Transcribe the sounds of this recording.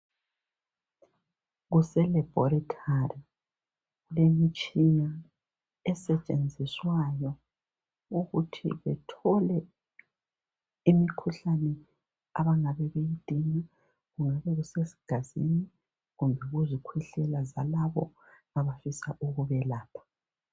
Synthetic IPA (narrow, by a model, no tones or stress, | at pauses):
ɣusɛlɛb̥ʱɔɾitʰari | ɣulemit͡ʃʼina | ɛsɛt͡ʃʼend͡zʱiswajɔ | uɣutʰḭβɛtʰɔlɛ | imikʰuɬanɛ | aβaŋaβɛβejid̥ʱiŋa | ɣuŋaβɛɣusesi̥ɡ̥ʱazini | ɣumbʱɛɣuzikʰwɛɬɛlazalaβɔ̰ | aβafisaʔuɣuβɛlaːpʰḁ